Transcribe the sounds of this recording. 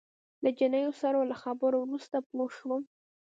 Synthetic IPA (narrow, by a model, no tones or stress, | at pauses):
lad͡ʒɪnəjosaɾalaxabəɾowɾust̪aploʃwəm